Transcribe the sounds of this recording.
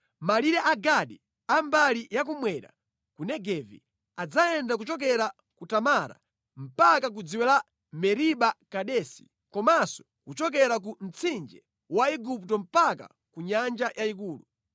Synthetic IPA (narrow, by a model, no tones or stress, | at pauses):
maliɾɛʔaɡaɗi | ambalijak̬umwɛɾa̰ | kunɛɡɛvḭ | ad͡zajɛndak̬ut͡ʃɔk̬ɛɾa | kutamaɾa̰ | m̩pakak̬ud͡ziwɛla | mɛɾiɓakaɗɛsi̥ | kɔmasɔ̥ | kut͡ʃɔk̬ɛɾak̬un̩t͡sʰind͡ʒɛ | waiɡuptɔm̩paka̰ | kuɲand͡ʒajʔaik̬uːlu